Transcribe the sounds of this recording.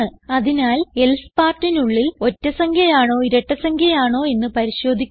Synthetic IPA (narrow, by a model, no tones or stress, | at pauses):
ɨɐðinaːle̞lspaːrtːinuɭːilo̞tːɐsɐŋɡjɐjaːɳo̞ːiɾɐʈːɐsɐŋɡʰʱjɐjaːɳo̞ːe̞nːɨpɐɾiɕo̞ːd̪ʱikʲː